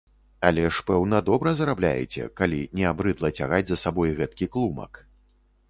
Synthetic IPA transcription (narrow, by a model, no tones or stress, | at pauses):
ɐlʲɛʂpɛwnɐd̪ɔbɾɐzɾablʲa̰jɛ̰t͡sʲɛ̰kalʲinʲɛabɾɨd̪lˠɐt͡sʲaɣad͡zʲzɐsabɔjɣɛt̪̚kʲiklˠumɐ̰k